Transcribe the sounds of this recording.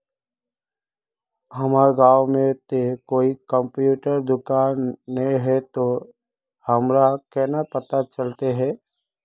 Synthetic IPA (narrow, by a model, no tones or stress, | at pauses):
ɦɐmaːɾɡaːwmẽt̪ekoːikə̃mpjuːʈəɾd̪ʊkaːnːəĩɦɛt̪o | hɐmɾakɛːnapət̪at͡ʃɐlt̪eɦɛː